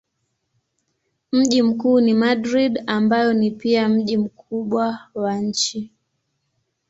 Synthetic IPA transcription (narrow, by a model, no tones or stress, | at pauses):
m̩ʄim̩kuːnimaɗɾiɗambajɔnipiam̩ʄim̩kʰuɓwawaɲ̩t͡ʃi